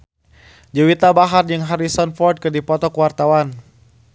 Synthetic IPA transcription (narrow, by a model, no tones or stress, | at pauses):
d͡ʒəwit̪abaɦard͡ʒɨŋɦaɾisɔnfɔrd̚kɨdipɔt̪ɔkəwart̪awan